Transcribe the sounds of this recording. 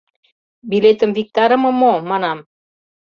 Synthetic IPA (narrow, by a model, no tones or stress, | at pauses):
bilet̪ə̆mvik̚t̪ɑɾə̆mɤ̆momɑnɑm